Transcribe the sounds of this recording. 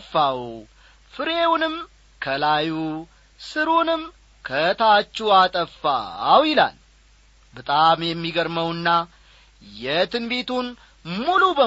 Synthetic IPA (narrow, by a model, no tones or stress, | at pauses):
fːaw | fɨɾewnɨm | kʰəlaju | sɨɾunɨm | kʰət̪ʰat͡ʃːuat̪ʼəfːa̰wjɪla̰l | bət̪ʼamjɛmːiɡəɾməwɨnːa | jɛt̪ʰɨnbe̞t̪ʰun | mulubə